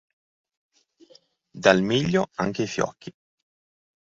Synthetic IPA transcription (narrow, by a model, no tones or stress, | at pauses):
d̪almiʎːoa̰ŋk̟eifjɔ̰kʰːi